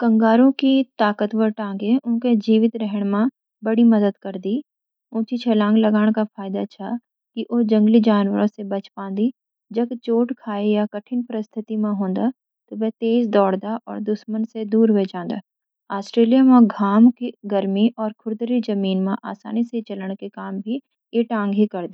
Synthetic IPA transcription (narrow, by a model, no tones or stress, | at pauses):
kɐ̃ŋɡaːɾõkit̪aːkət̪ʋəɾʈãːŋɡeʊnked͡ʒiːʋɪt̪ɾɛɦəɽ̃mã | bɐɽimɐd̪əd̪kɐɾd̪i | ʊ̃ːt͡ʃit͡ʃʰɛlãːŋɡlɐɡaːɽ̃kafʰaːjɪd̪at͡ʃʰa | kiʔoːd͡ʒɐ̃ŋɡlid͡ʒaːnwəɾõsebɐt͡ʃpãːnd̪i | d͡ʒɐɡt͡ʃoːʈkʰaːejakɐʈʰɪnpɾəst̪ʰɪt̪imãɦõːnd̪a | t̪oʋɛːt̪eːzd̪ɔːɽd̪aʔɔ̰ːɾd̪ʊʃmənsed̪uːɾɦʊed͡ʒãːnd̪a̰ː | aːsʈɾeːlijamãɡʱaːmkiɡɐɾmiʔɔːɾkʰʊɾd̪ɾid͡ʒɐmiːnmãʔa̰ːsa̰ːniset͡ʃɐləɽ̃kekaːmbʱi | jeʈãːŋɡɦikɐɾd̪i